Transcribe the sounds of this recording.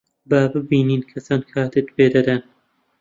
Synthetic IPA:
baːbɨbiːniːnkʰɐsɑːnkʰaːt̪ɪt̪beːd̪ɐd̪æn

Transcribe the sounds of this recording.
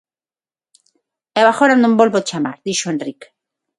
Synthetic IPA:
eβaxoɾand̪umbolβot͡ʃama̰ɾðiʃoenrik

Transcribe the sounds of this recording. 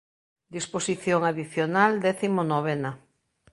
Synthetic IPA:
d̪isposiθjoŋaðiθjonald̪ɛθimonoβ̞ɛna

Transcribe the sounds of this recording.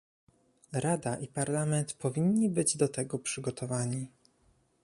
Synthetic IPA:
ɾad̪aʔipaɾlamɛnt̪pɔvʲiɲːibɘd͡ʑd̪ɔt̪ɛɡɔpʂɘɡɔt̪ʰɔvaɲi

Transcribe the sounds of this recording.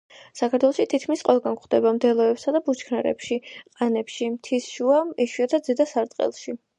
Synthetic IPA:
sakʰaɾt̪wɛlˠɔʃit̪ʰit̪kʰmisqʼɛlˠɡankχd̪ɛbamd̪ɛlˠɔɛpsad̪abut͡ʃʰkʰnaɾɛ̰pʃiqʼanɛpʃimt̪ʰisʃuamiʃwiat̪ʰad̪zɛd̪asaɾt̪ʼqʼɛ̰lˠʃi

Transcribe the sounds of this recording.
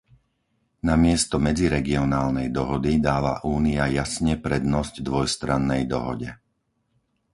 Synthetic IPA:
namɪɛst̪ɔmɛd͡ziɾɛɡiɔnaːlnɛjd̪ɔɦɔd̪id̪aːʋa̰ʔuːniajasɲɛpɾɛd̪nɔzɟd̪ʋɔjst̪ɾanːɛjd̪ɔ̰ɦɔ̰ɟɛ

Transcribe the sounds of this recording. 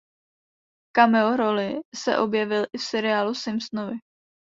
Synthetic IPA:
kamɛoɾo̞lɪsɛ̰ʔo̞bjɛvɪlʔɪfsɛɾɪaːlusɪmsnovɪ

